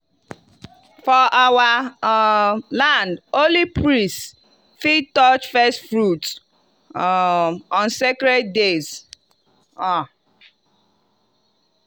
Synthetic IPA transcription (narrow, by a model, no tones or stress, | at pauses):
fɔʔawa | lãndolipɹĩst | fitɔt͡ʃfɛstfɹut | ɔ̃nsekɾɛd̚dez | ɔ